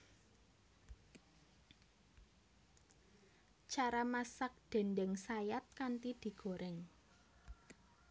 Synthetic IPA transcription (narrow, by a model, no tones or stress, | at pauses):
t͡ʃaɾamasak̚d̪̥ɛ̤ndɛŋsajat̪̚kant̪id̪̥i̤ɡ̥o̤ɾʔɛŋ